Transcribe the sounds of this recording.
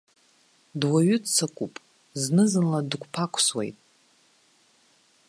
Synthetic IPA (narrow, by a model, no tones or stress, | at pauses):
dwaɥʏdt͡sʰakʷʼupʼ | znɨzɨnladɡʷʰʼpʰakʷʰʼswḛjtʼ